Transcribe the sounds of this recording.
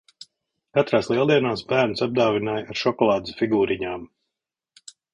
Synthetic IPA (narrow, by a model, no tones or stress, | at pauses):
kat̪ɾaːslˠiɛlˠd̪iɛnaːsbæːɾnsab̚d̪awvinaːjaɾʃɔkɔlˠɑːd̪sfiɡuːɾiɲaːm